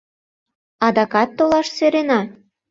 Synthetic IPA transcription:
ɑd̪ɑkɑt̪ːolɑʃseɾenɑ

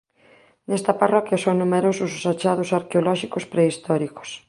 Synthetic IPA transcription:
nɛst̪ɐparɔkjɐsoŋnumeɾosʊsosat͡ʃaðʊsaɾkeolɔʃikospɾeist̪ɔɾiko̥s

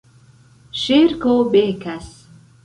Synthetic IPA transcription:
ʃiːɾkobeːkʰæs

